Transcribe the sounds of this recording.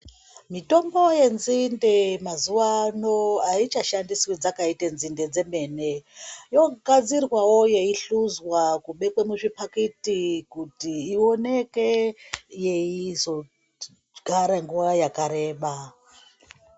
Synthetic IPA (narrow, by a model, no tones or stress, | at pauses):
mito̞mbo̞je̞nzindemazuwano̞ait͡ʃaʃandiswid͡zakaitenzinde̞d͡ze̞me̞ne̞jo̞ɡad͡zirwawo̞je̞iɬuzwakuɓe̞kwemuʐipaketikutiːo̞ne̞ke̞je̞izo̞ | ɡ̥ʱaɾaŋɡuwajakaɾe̞ːɓa